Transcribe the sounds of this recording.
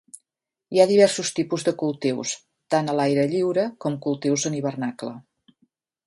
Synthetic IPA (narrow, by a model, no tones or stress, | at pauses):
iaðiβ̞ɛrsust̪ipuzðəkulˠt̪iws | t̪anəlajɾəʎiwɾəkɔmkulˠt̪iwzəniβ̞ərnaklə